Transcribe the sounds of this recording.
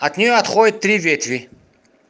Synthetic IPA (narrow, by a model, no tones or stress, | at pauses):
ɐt̪nʲɪjoɐt̪χodʲɪt̪ːɾʲivʲet̪vʲɪ